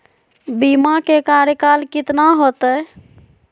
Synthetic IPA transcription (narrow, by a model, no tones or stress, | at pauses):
bimakekaɾjəkalkit̪naɦot̪ə